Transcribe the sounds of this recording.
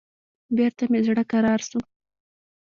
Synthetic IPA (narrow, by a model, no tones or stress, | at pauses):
beɾt̪amezɽakaɾɑɾsu